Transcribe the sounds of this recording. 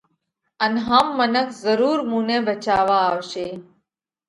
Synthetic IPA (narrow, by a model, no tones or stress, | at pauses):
ənɦaːmːənəkʰzəɾuːɾmũːnẽːbət͡ʃaːʋaːʋʃeː